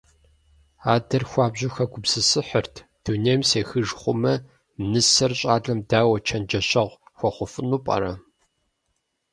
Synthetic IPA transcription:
aːdɐrxʷɑːbʑʊxɐɡʷʊbsɨsɨħərtʰd̥uneːmseːxɨʒχʷʊmɐ | mnɨsɐrɕʼaːɮɐmdaːwɐt͡ʃʰɐnd͡ʒɐɕɐʁʷxʷɔχʷʊfɨnupʼɐ̰ɾɐ

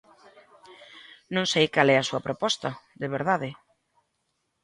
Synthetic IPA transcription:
nõŋsejkalɛɐsuɐpɾʔopɔst̪ɐðeβeɾðaðɪ

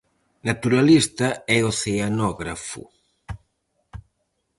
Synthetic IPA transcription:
nat̪uɾalist̪aɛoθeanɔɣɾafṵ

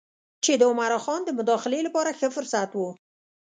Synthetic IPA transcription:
t͡ʃed̪əʊmaɾɑxɑnd̪əmʊd̪ɑxɪlelapɑɾaxəfʊɾsat̪wu

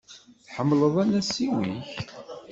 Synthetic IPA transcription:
θħəmːləðˤænæsːiwiç

